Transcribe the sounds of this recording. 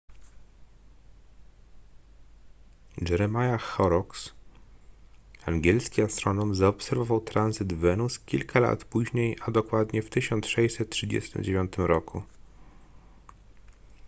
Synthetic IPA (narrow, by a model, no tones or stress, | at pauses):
d͡ʒɛɾɛmajaxɔɾɔks | aŋɡʲɛlskʲiast̪ɾɔnɔmzaɔpsɛɾvɔvawt̪ɾanzɘd̪vɛnuskʲilkʰala̰t̪puʑɲejad̪ɔkwad̪ɲɛft̪ɘɕɔnt̪sʂɛjsɛt̪̚tʂɘd͡ʑɛ̰st̪ɘ̰md͡ʑevʲjɔnt̪ɘmɾɔkʰu